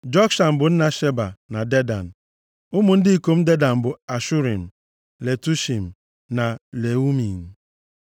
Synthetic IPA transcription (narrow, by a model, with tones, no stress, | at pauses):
d͡ʒɔ˦kʃa˨m̩˨bʊ˨n̩˦na˨ʃe˦ba̰˨na˨de˦da̰˨n̩˨ | ʊ˦mʊ˨n̩˦dɪ˦i˨ko˨m̩˦de˦da˨m̩˨bʊ˨a˨ʃu˦ɾḭ˨m̩˨ | le˨tu˦ʃi˨m̩˨ | na˨le˨u˦mi˨n̩˨